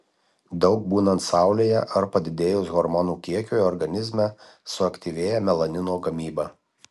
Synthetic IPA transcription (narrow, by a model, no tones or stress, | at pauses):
d̪ɒʊk̚buːnɐnt̪sɑˑʊlʲeːjɛʔɐɾpɐd̪ʲɪd̪ʲeːjʊsɣɔɾmɔnuːkʲiɛkʲuːjɔɾɡɐnʲɪzʲmʲɛ | sʊɐkt̪ʲiʋʲeːjɛmʲɛlˠɐnʲɪnoːɡɐmʲiːbɐː